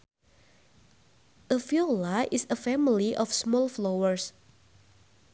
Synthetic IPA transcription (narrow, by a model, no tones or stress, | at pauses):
ʔəfiolaʔɪsəfɛmiliʔɔfsmɔlflowəɹs